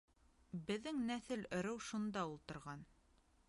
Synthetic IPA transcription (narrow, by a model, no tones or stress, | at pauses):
bɘ̆ðːɘŋnæθɘlɵ̆ɾɘwʃund̪ɑulˠt̪ɤ̆ɾʁɑn